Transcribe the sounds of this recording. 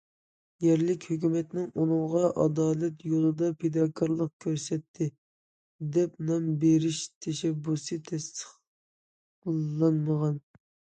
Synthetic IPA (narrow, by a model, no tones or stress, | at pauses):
jɛɾlɪkʲhøkʲymɛt̪nɪŋunɨŋʁɑʔɑd̪ɑːlɛt̪jolˠɨd̪ɑpʰed̪ɑːkʰɑɾlˠəq̚kʲʰøɾsɛt̪ʰːɪ | d̪ɛpnɑmbeɾɪʃt̪ʰɛʃɛbːusɨt̪ʰɛst̪ʰə̥χ | lɑnməʁɑn